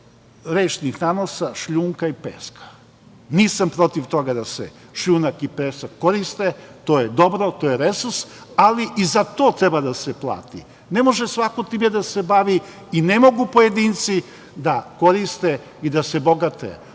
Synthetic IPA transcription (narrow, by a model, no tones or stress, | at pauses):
ɾeːʃnixnanosaʃʎuːŋkaipḛːskḁ | niːsampɾo̞t̪iʋt̪o̞ɡad̪asḛ | ʃʎuːnakipeːsakːo̞ɾist̪et̪oːjed̪o̞bɾo̞t̪o̞ːjeɾesuɾsaliʔizat̪o̞ːt̪ɾebad̪aseplˠa̰ːt̪ḭ | ne̞mo̞ʒesʋakot̪iːmed̪asebaʋi | inemo̞ɡupo̞jed̪iːnt̪si | d̪ako̞ɾist̪e | id̪ase̞bo̞ɡat̪ḛ